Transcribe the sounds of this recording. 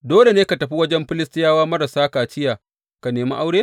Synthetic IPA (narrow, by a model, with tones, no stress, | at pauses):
doː˦le˨neː˦ka˨tɐ˨ɸi˦wɐ˦d͡ʒɛ˦mɸɪ˦lɪ˦stɪ˦jaː˦waː˦mɐ˦ɾa˨saː˦kaː˨t͡ʃɪ˦jaː˨ | ka˨neː˨ma̰˦ʔa˦wɽeː˦